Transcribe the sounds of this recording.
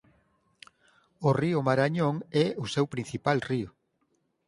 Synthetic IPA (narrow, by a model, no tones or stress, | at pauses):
ʊriʊmaɾaɲoŋɛʊsewpɾin̟θipalriʊ